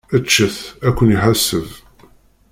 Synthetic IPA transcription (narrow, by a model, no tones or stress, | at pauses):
ət͡ʃːəθækʷːəniħasːəv